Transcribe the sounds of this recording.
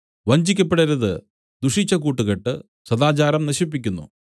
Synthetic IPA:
ʋɐɲd͡ʑikʲːɐpːeɽɐɾɐðɨ | d̪uʂit͡ɕːɐkuːʈːuɣɐʈːɨ | sɐðaːt͡ɕaːɾɐmnɐɕip̬ːikʲːunːṵ

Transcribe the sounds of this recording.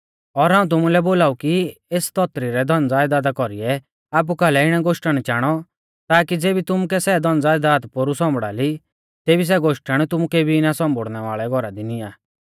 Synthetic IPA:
ɔɾɦaːũt̪̬ʊmulɛboːlaːukieːst̪ɔt̪ɾiɾɛd̪ʱɔ̃nd͡zaːjd̪aːd̪akɔɾiɛ | aːp̬ukalɛɪɽ̃ɛɡoʃʈəɽ̃t͡ʃaːɽ̃ɔ | t̪aːkid͡zeːbit̪ʊmukɛsɛd̪ʱɔnd͡zaːjd̪aːt̪poɾusɔ̃mbɽa̰ːli | t̪eːbis̬ɛɡoʃʈəɽ̃t̪ʊmukeːbʱiɪnasɔ̃mbʱoɽnɛʋa̰ːɭɛɡʱɔɾad̪iniaː

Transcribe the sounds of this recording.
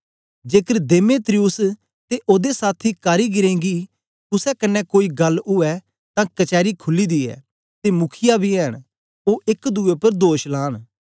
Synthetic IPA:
d͡ʒeːkəɾd̪eːmeːt̪ɾijʊs | t̪eʔoːd̪esaːt̪ʰikaːɾiɡɪɾẽːɡi | t̪ʊsɛkɐnːɛkoːiɡɐlʊɛ | t̪ãkɐt͡ʃɛːɾikʰʊlːid̪iːɛ̰ː | t̪emʊkʰɪjabʱiɛɦəɽ | oːʔɪkd̪uepəɾd̪oːʃlaːɽ

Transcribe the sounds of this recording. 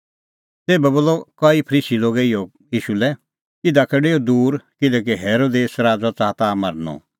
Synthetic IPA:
t̪eːbɛboːlɔkɐipʰəɾiːsiloːɡɛɪjɔ | jiːʃulɛ | ɪd̪akɐɖeːod̪uːɾkɪlɛk̬iɦeːɾoːd̪eːsɾaːd͡zɔt͡saːt̪aːmɐɾnɔ̰

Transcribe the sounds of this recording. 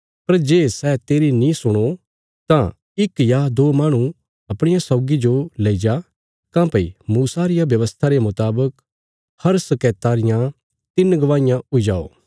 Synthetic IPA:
pɐɾd͡ʒeːsɛːt̪eːɾinĩsʊɽ̃o | t̪ã | ɪkjad̪oːmaːɽ̃ũ | ɐpɽ̃ɪjasɐːɡid͡ʒoleːid͡ʒa | kãːpɐḭmuːsaɾɪjabjɐʋəst̪ʰaɾemʊt̪aːbək | hɐɾsɐkɛːt̪aːɾɪjã | t̪ɪnɡɐʋaːɪjãʊid͡ʒa̰ːo̰ː

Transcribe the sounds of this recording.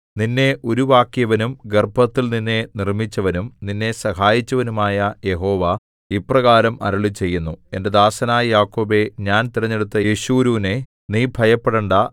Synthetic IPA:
ninːe̞ʔo̞ɾuʋaːkjɐʋɐnumɡerbʱɐt̪ːilninːe̞nirmit͡ɕːɐʋɐnumninːe̞sɐɦaːjit͡ɕːɐʋɐnumaːjɐje̞ɦo̞ːʋa | iprɐɣaːɾɐmʔɐ̰ɾɐɭit͡ɕe̞jːunːue̞nde̞d̪aːsɐnaːjɐjaːkːo̞ːbe̞ɲaːnt̪iɾɐɲːe̞ɽut̪ːɐeɕuːɾuːne̞ | niːbʱɐjɐpːeɽɐɳɖɐ

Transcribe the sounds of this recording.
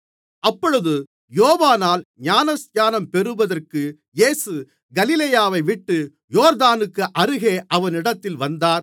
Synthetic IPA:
ɐpːɔɻɯðɯ | joːʋaːnaːlɲaːnɐsaːnɐmpɛɾɯʋɐðɐrkɯ | jeːsɯ | ɡɐlɪlejaːʋɐɪʋɪʈːɯ | joːɾd̪aːnɯkːɯʔɐɾɯɣeːʔɐʋɐnɪɽɐt̪ːɪlʋɐnd̪aːɾ

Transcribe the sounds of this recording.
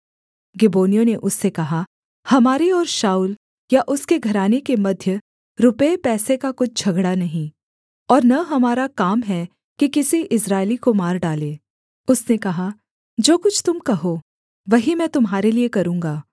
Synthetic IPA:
ɡɪboːnijõneʔʊsːekɐɦa | hɐmaːɾiɔːɾʃaːuːl | jaʔʊskeɡʱɐɾaːnekemɐd̪ʱjə | ɾʊpəepɛːsekakʊt͡ʃ̚ʰd͡ʒʱɐɡɽanɐɦĩː | ɔːɾnɐɦɐmaːɾakaːmɦɛ | kikɪsiʔɪsɾaːɪlikomaːɾɖaːleː | ʊsnekɐɦa | d͡ʒoːkʊt͡ʃʰt̪ʊmkɐɦoː | ʋɐɦimɛ̃ːt̪ʊmɦaːɾeliekɐɾũːŋɡaː

